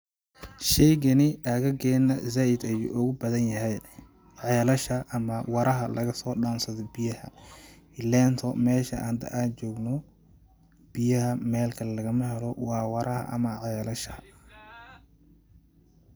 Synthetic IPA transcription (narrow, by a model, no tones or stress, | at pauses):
ʃɛjɡɐnɪʔɐɣɐɡɛːnɐzaːɪd̪ɐjṵːʔʊɣʊbɐðɐnjɐɦɛj | ʕɛːlɐʃɐʔːmɐwɑɾɐɦɐlʔɐ̰ɣɐsɔːɗaːnsɐðɔbɪjɐhɐ̰ | ɪlɛːnt̪ʰɔmɛːʃɐʔa̰ːnd̪ɐ̰ʔaːnt͡ʃɔːɡnɔ | b̥ɪjɐɦɐmɛːlkʰɐlɛlɐɣɐmɐɦɛlɔwɑːwɑɾʔɐhɐ̰ʔɐ̰mɐʕɛːlɐʃɐ